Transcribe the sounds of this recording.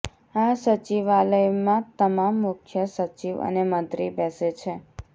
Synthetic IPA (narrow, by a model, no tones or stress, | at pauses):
asət͡ʃiʋaləjmãt̪əmamːʊkʰjəsət͡ʃiʋə̰neməd̪ɾibɛset͡ʃʰe